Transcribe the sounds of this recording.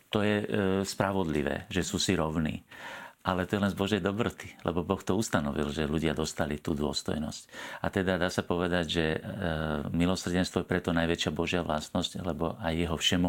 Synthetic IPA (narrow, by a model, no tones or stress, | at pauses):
t̪ɔjɛspɾaʋɔd̪lḭʋɛ̰ːʒɛsuːsiɾɔʊnḭːʔalɛt̪ɔjɛlɛnzbɔʒɛjd̪ɔbɾɔt̪i̥lɛ̰bɔbɔxt̪ɔust̪anɔʋḭlʒɛluɟɪad̪ɔst̪alit̪uːd̪ʊɔ̰st̪ɔ̰jnɔ̰scat̪ɛd̪ad̪aːsapɔʋɛd̪aɟʒɛ | milɔsr̩ɟɛnst̪ʋɔjɛpɾɛt̪ɔnajʋɛt͡ʃɪabɔʒɪaʋla̰st̪nɔsclɛbɔ̰ʔajːɛɦɔfʃɛmɔ